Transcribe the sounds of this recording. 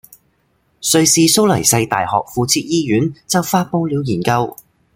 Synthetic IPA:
sɵ˧ɥsiː˧so˥wlɐ˨˩jsɐ˧jt̪a̰ː˨jhɔ̰ː˨k̚fuː˧t͡sʰiː˧t̚jiː˥jyː˨˥nt͡sɐ˨˥wfaː˥t̚po˥wliː˨˧wjiː˨˩nkɐ˧w

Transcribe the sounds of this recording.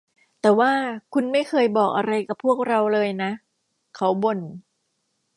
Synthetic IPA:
t̪ɛː˨˩waː˥˩kʰu˧nma˥˩jkʰɤː˧jbɔː˨˩k̚ʔa˧ɾa˧jka˨˩pʰːu˥˩ək̚ɾa˧wlɤː˧jna˦˥ʔ | kʰa˦˥wbo˨˩n

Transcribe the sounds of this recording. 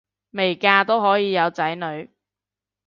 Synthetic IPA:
me˨˩jkaː˧t̪o˥wɦɔː˨˥jiː˨˧jɐ˨˧wt͡sɐ˨˥jnɵ˨˧ɥ

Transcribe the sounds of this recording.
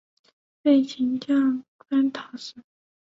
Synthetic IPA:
pe˥˩ɪt͡ɕʰi˧˥ŋt͡ɕjɑ˥˩ŋka˥nt̪ʰɑ˨˧˩ʊʂ̩˥˩˦

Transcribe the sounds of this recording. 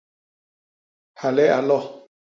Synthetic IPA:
hʰa˨lɛ˦ʔa˨lɔ˦˨

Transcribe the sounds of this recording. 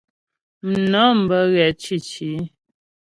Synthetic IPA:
m̩˨nɔ˨˦m̩˨bə˨˦ɣɛ˨t͡ʃi˦˨t͡ʃi˨˦

